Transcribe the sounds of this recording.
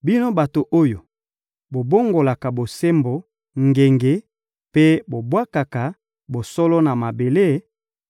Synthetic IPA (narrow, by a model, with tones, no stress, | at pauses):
bi˦no˦ba˨to˨ʔo˦jo˨ | bo˨bo˦ŋɡo˨la˨ka˨bo˨se˦mbo˨ | ŋɡe˨ŋɡe˨ | pe˦bo˨bwa˦ka˨ka˨ | bo˨sɔ˦lɔ˦na˨ma˨be˨le˦